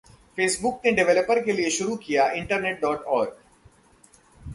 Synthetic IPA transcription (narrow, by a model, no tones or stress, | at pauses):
feːsbʊk̚neɖɪʋɛləpəɾkelieʃʊɾukijaɪ̃ɳʈəɾneːʈ̚ɖɔːʈɔːɾɡ